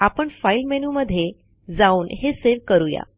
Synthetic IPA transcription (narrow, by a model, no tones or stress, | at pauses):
apəɳfailmɛnuməd̪ʱːje | d͡zauːnɦeseʋkəɾuja̰